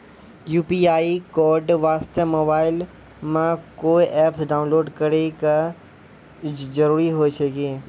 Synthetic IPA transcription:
juːpiaːikoːɾɖʋaːst̪emoːbaːɪl | mãkoːiʔeːpʰsɖaːʊ̃nloːɖkəɾekɐ | zɐɾuːɾiɦoːet͡ʃʰeɡẽː

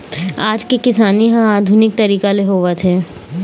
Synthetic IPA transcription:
aːd͡ʒkekɪsaːniɦãaːd̪ʱunɪk̚t̪ɐɾiːkalɪɦoːʋat̪ʰɛː

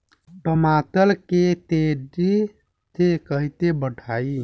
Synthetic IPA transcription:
ɖəmat̪əlket̪eɖi | t̪ekəɦit̪ebəʈʰai

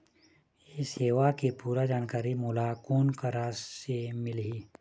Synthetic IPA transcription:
eseːʋakepuːɾad͡ʒaːnkaːɾimʊlakoːnkəɾasemɪlɦiː

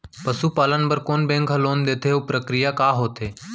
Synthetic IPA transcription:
pəsuːpaːlənpəɾkoːnbẽːŋkɦəloːnd̪eːt̪ʰeoːpɾəkɾɪjaːkaːɦoːt̪ʰeː

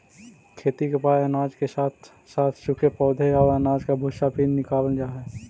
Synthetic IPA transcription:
kʰeːt̪ikepaːeənaːd͡ʒkesaːt̪ʰ | saːt̪ʰʃʊkʰepɔːd̪ʱeaənaːd͡ʒkabʱʊʃapiːnnɪkaːwənd͡ʒaːɦɛː

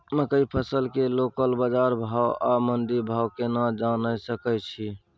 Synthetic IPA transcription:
məkəipʰəsəlkelokəlbad͡ʒaɾbʱawamənd̪iɾbʱawkenad͡ʒanəsəkət͡ʃʰi

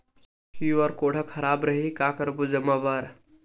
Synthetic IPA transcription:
kiʋɐɾkoːɽ̤əkʰɐɾaːbɾɐɦikaːkəɾbud͡ʒəmaːʋaːɾ

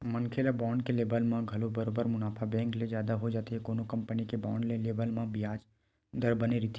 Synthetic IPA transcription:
mənkʰelabaːɳɖkeleːbəlmãɡʱɐlobəɾobəɾmʊnaːpʰabɛ̃ːŋklezjaːd̪aɦod͡ʒaːt̪eɦɛkoːnokɐ̃mpənikeba̰ːɳɖleleːbəlmãbɪɦaːd͡ʒ | d̪əɾbəneɾɪt̪ʰ

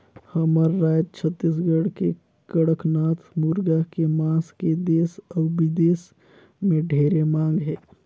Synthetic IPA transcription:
həməɾːaːd͡ʒt͡ʃʰət̪ːis̬ɡəɽke | kəɽəknaːt̪ʰmuːɾɡakemãːsked̪eːsɔːbid̪eːs | mẽɖʱeːɾemãːŋɡɦɛː

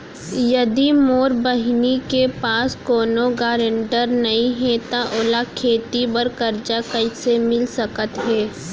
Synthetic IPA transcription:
jɐd̪imoːɾbɐɦnikepaːskoːnoɡaːɾẽɳʈəɾnɐɦĩɦɛ̃t̪aʔoːlakʰeːt̪ibəɾkɐɾd͡ʒakɐisemɪlsɐkət̪ɦɛː

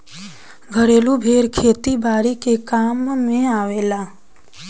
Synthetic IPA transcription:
ɡʱəɾeːlubʱeːɾkʰeːt̪ibaːɾikekaːmːẽaːʋeːlaː

